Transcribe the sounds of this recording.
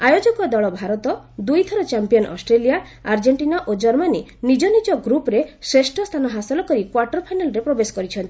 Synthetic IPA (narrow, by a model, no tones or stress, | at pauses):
ajod͡ʒɔkɔd̪ɔɭɔbʱaɾɔt̪ɔ | d̪ujt̪ʰɔɾɔt͡ʃampijɔnʔɔ̰sʈɾelija | aɾd͡ʒeɳʈinaʔod͡ʒɔɾmaninid͡ʒɔnid͡ʒɔɡɾupɔɾesɾesʈʰɔst̪ʰanɔɦasɔlɔkɔɾikwaɾʈɔɾpʰajnalɔɾepɾobesɔ̥kɔɾit͡ʃʰɔnt̪i̥